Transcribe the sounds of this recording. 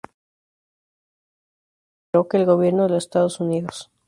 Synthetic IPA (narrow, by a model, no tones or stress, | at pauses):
ɾokeːlɣo̞βje̞ɾnoðelosest̪að̞osuniðos